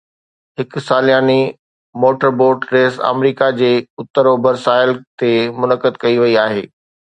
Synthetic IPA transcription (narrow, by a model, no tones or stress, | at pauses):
ɦɪksaːlijaːni | moːʈəɾboːɾɖɾeːsa̰ːmɾiːkad͡ʑeːʊt̪ːəɾobɐɾsaːɪlt̪emʊnəkəd̪̚kɐiʋɐiaːɦeː